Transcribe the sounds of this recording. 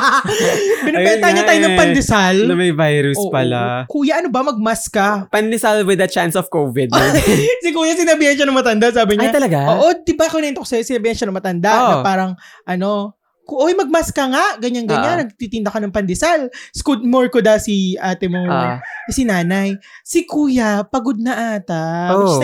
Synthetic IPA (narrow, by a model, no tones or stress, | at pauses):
bɪnɐɛnɐhɐɲɐaːjonɐŋpɐnd̪ɛsalnɐmɐjvajɾusʔoːʔpɐlakuːjɐʔɐnobɐmɐɡ̚maskɐpɐnd̪ɪsalwɪd̪ɐt͡ʃansɔfkowvɪd̪̚sɪkuːjasɪnɐbiːhɐnʃanɐŋmɐt̪ɐnd̪as̬aːbɪɲat̪ɐlɐɡaoʔod̪ɪbaklɪnɛnt̪okɐsɐjosɪnɐbiːhɐnʃanɐŋmɐt̪ɐnd̪aʔnɐpaːɾɐŋʔɐno̞ | kʔojmɐɡ̚maskɐŋaʔɡɐɲanɡɐɲɲːanːɐɡ̚t̪it̪ɪnd̪ɐkɐnɐŋpɐnd̪ɪsalskud̪̚moɹkod̪asiʔaːt̪ɛmokɐsinaːnɐjsɪkuːjɐpɐɡod̪̚nɐʔaːt̪ɐo